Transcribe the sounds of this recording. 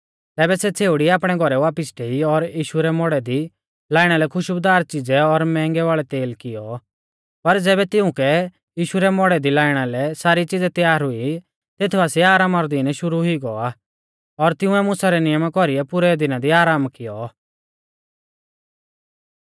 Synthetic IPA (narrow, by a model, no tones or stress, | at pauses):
t̪ɛːbɛsɛt͡sʰeːʊɽiaːpɽ̃ɛɡʱɔɾɛʋaːpɪsʈʰeːiɔɾjiːʃuɾɛmɔɽɛd̪i | laːɪɽ̃alɛkʰʊʃbd̪aːɾt͡ʃɪd͡zɛɔɾmɛ̃ːŋɡɛʋaːɭɛt̪eːlkɪjɔ | pɐɾd͡zɛːbɛt̪ɪʊ̃kɛ | jiːʃuɾɛmɔɽɛd̪ilaːɪɽ̃alɛsaːɾit͡ʃɪd͡zɛt̪jaːɾɦʊi | t̪eːt̪ʰuasiaːɾaːmaɾɔd̪ɪnɛʃʊɾuɦiɡɔa | ɔɾt̪ɪ̃ʊ̃ɛmʊsaɾɛnɪjəmakɔɾiɛpʊɾɛd̪ɪnad̪iaːɾaːmkɪjɔ